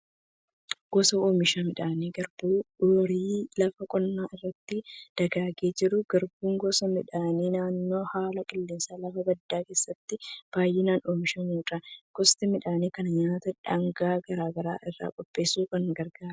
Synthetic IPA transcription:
ɡ̥ɔsɐoːmɪʃaːmɪᶑaːniːɡɐɾbuːᶑoɾiːlɐfɐkʼɔnːaːʔɪrːɐt̪ːɪd̪̥ɐɡaːɡeːd͡ʒɪɾʊɡ̥ɐɾbuːŋɡɔsɐmɪᶑaːniːnaːnːo̞ːhaːlɐkʼɪlːɪnsaːlɐfɐbɐd̪ːaːke̞ːsːɐt̪ːɪb̥aːjːɪnaːnoːmɪʃɐmuːᶑɐɡ̥ɔst̪ɪmɪᶑaːniːkɐnɐɲaːt̪ɐᶑɐŋɡaːɡɐɾaːɡɐɾa̰ːʔɪrːa̰ːkʼɔpʼːe̞ːsuːkɐŋɡɐɾɡaːɾɐ

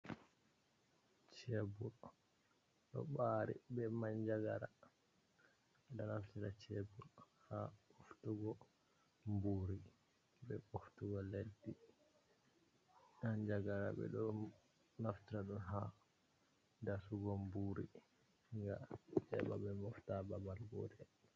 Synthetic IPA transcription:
t͡ʃɛbul | ɗɔ̰ɓaɾḭbɛmaɲd͡ʒaɡaɾa | ɓɛɗɔnaftiɾat͡ʃɛbul | haoftuɡɔ | mbuɾi | bɛoftuɡɔledːi | aɲd͡ʒaɡaɾa̰bɛ̰ɗɔ | naftiɾaɗunɦa | dasuɡɔmbuɾi | ŋɡat͡ʃɛba̰bɛmɔftababalɡo̰dɛ

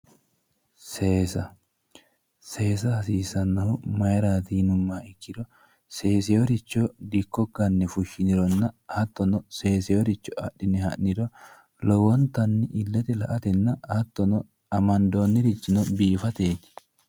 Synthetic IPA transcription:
seːsɐ | se̞ːs̬ɐhɐsiːsɐnːɐhʊmɐjɾaːt̪iːnʊmːaːɪkːɪd̪ɔ | se̞ːsɛjɔɾɪt͡ʃːɔd̪ɪkːɔɡɐnːɛfʊʃːɪnɪɾɔnːɐhɐt̪ːɔnɔse̞ːsɛjɔɾɪt͡ʃːɔɐ̰ɗːɪnɪhɐ̰ʔnɪd̪ɔ | lɔwɔnt̪ɐnːɪʔɪlːɛt̪ɛlɐʔɐt̪ɛnːɐhɐt̪ːɔnɔ | ɐmɐnd̪o̞ːnːɪɾɪt͡ʃːɪnɔbiːfɐt̪eːt̪ːɪ̥

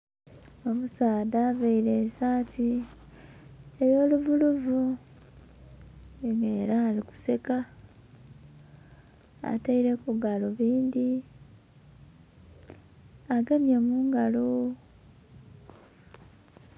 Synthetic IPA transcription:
o̞musaːdaːveiɾesaːtʰi | eɾio̞ːluvuluvu | ŋɡeːɾaːliku̥se̞ka | a̰taiɾe̞kuɡaloβiːndi | aɡanjemuːŋɡalo

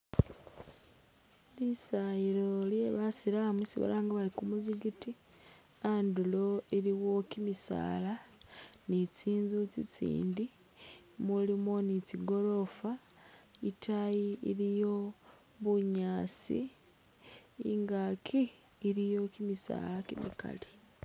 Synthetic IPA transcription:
lisajiɾo̞lje̞βasiɾamwisiβa̰laːŋɡaβalikumuziɡiti | andulo̞iɾiwo̞kimisa̰ːlanit͡siːnzut͡sit͡sḭːndi | mulimo̞nit͡siɡo̞ɾo̞fa | itʰajiiɾijo̞ | βuɲaːst͡sḭ | ŋɡakʰiː | ɾijo̞kimisa̰ːlakimḭka̰li

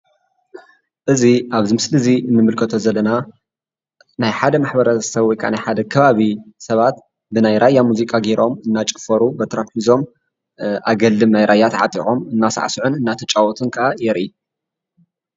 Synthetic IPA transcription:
ʔɨziʔaβzɨmɨslɨziɨnːɨmɨlkʰɐt̪ʰo̞zɐlːɐna | najħad̪ɐmaħbɐɾɐsɐβwɔjkʰaʔa̰najħad̪ɐkʰɐβaβisɐβat̪ | bɨnajɾajːamuzikʼaɡeɾʔo̞mɨnːat͡ʃʼɨ̥fɐɾubɐt̪ʰɾat̪ħizo̞m | ʔaɡɐlːɨmnajɾʔajːat̪ʕa̰t̪ʼḭʔomɨnːasa̰ʕsuʕunɨnːat̪ʰɐt͡ʃʼawɔt̪ʰɨnkʰaʔajɛɾʔi

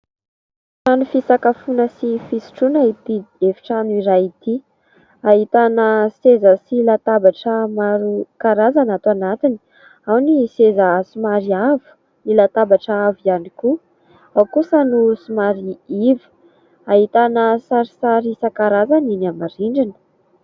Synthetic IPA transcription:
sanufisakafunəsifisi̥ʈ͡ʂunait̪iefi̥ʈ͡ʂanuiɾait̪i | aɦit̪anəsezəsilat̪abaʈ͡ʂəmaɾukaɾazanat̪uanat̪ini̥ | awnisezasumaɾiavu̥ | nilat̪abaʈ͡ʂaavizaniku | awkusanusumaɾiivi̥ | aɦit̪anəsaɾisaɾisakaɾazaninamaɾiɳɖ͡ʐinə̥

